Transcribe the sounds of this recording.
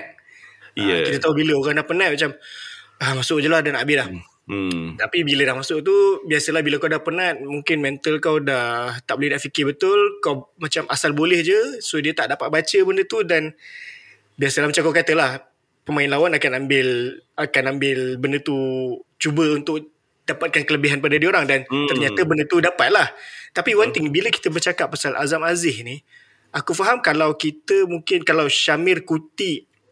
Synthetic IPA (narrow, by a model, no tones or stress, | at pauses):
kit̪ət̪aɦubiləoɣaŋdahpənãʔ̪̚mat͡ʃamamasʊʔd͡ʒəlahdanabɪdah | t̪apibilədahmasʊʔt̪ubiasəlahbiləkawdahpənãt̪̚muŋkɪnmɛnt̪əlkawdaht̪aʔbolɛhdaʔfikɪbət̪ʊlkawmat͡ʃamʔasalbolɛhd͡ʒəsodiət̪aʔdapat̪̚bat͡ʃəbəndət̪udan | biasəlahmat͡ʃamŋkawkat̪əlah | pəmãɪnlawanakanambɪlakanambɪlbəndət̪ut͡ʃubəunt̪ʊk̚ | dapat̪̚kankələbiɦanpadadioɾaŋdant̪ərɲat̪əbəndət̪udapat̪̚laht̪apiwant̪ɪŋbiləki̥t̪əbərt͡ʃakap̚pːasalʔa̰zamazɪhni | akufaɦamkalawkit̪əmuŋkɪnkalawʃamɪrkut̪i